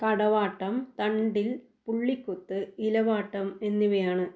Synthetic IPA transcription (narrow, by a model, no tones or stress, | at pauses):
kɐɽɐʋaːʈːɐmt̪ɐɳɖil | puɭːikʲːut̪ːɨilɐʋaːʈːɐme̞nːiʋɐjaːɳɨ